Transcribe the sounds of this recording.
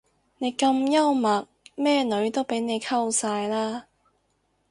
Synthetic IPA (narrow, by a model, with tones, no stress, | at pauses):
ne˨˧jkɐ˧mjɐ˥wmɐ˨˩t̚mɛː˥nɵ˨˥ɥt̪o˥wpe˨˥jne˨˧jkʰɐ˥wsaː˧jlaː˥